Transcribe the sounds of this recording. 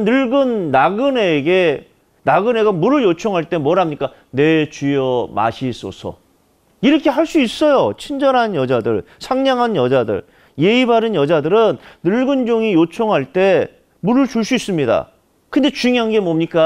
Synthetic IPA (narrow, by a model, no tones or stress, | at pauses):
nɯɭɡɯnːaɡɯne̞ɡe̞ | naɡɯne̞ɡamuɾɯɭjot͡ɕʰoŋɦaɭt͈e̞mwʌɾɦamɲik͈a | ne̞t͡ɕijʌma̰ɕʰis͈ʌ̰sʰʌ̰ | iɾʌkʰe̞ɦaɭs͈uis͈ʌjot͡ɕʰind͡ʑʌɾɦanjʌd͡ʑadɯ̰ɭ | sʰaŋɲaŋɦanjʌd͡ʑadɯ̰ɭ | je̞ibaɾɯnjʌd͡ʑadɯɾɯnːɯɭɡɯnd͡ʑoŋijot͡ɕʰoŋɦaɭt͈e̞ | muɾɯɭt͡ɕuɭs͈uis͈ɯmɲida̰ | kɯnde̞t͡ɕuŋjaŋɡe̞momɲik͈a